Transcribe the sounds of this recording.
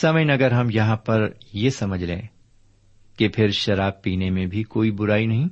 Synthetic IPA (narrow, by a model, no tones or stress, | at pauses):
sɐməjnɐɡəɾɦɐmjɐɦãpɐɾjesɐməd͡ʒʱlḛ̃ː | kepʰɪɾʃɐɾaːb̚piːnemẽbʱikoːibʊɾaːinɐɦĩ